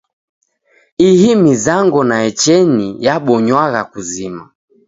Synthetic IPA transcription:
ihimizaŋɡɔnaɛt͡ʃɛnijaɓɔɲwaɣakuzima

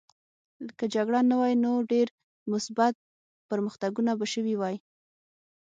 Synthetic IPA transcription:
kəd͡ʒaɡɽanawɑjinoɖeɾ | mʊsbat̪̚ | pəɾməxt̪aɡunabaʃəwiwaj

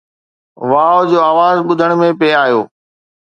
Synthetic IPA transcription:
ʋaːod͡ʑoːaːʋaːzɓʊd̪ʱəɽ̃mẽpeːaːjoː

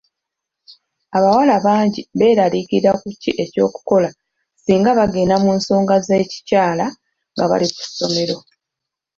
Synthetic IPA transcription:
aβawalaβaːɲɟiβe̞ːɾalikiɾakucːiʔe̞co̞̰ːku̥ko̞la | siːŋɡaβaɡe̞ːnamuːnso̞ːŋɡaze̞ːci̥caːla | ŋɡaβa̰liku̥sːo̞me̞ɾo̞

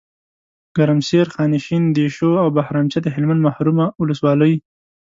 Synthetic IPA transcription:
ɡ̥aɾamseɾxɑnɪʃind̪eʃoawbahɾɑːmt͡ʃat̪əɦɪlmand̪mahɾumawʊləswɑləj

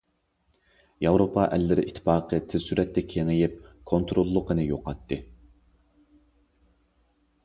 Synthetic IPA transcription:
jɑwɾopʰɑʔɛlːɪɾɪʔit̪ʰːɪ̥pɑːqʰət̪ʰɪzsyɾʔɛt̪ʰːɛkʲʰeŋɪjɪp̚kʰont̪ɾolˠːəqənɨjoqʰɑt̪ʰːɨ

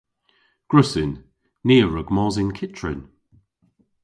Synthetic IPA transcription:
ɡ̥ɹʊsɪnː | iːəɹəɡmɔːzɪnkʰɪtɹɪ̰n

